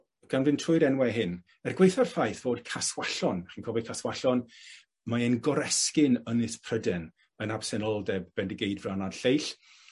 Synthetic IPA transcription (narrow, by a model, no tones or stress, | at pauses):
ɡ̥anvɪntʰrʊɨɾɛnwɛɦɪn | ɛrɡwejθarfajθv̥oːd̥kʰaswaɬɔnχiːnkʰɔbɔd̚kʰaswaɬɔn | maenɡɔɾɛskɪnənɪspʰrədɛn | ənab̥sɛnɔlˠdɛbb̥ɛndɪɡejdvranadɬejɬ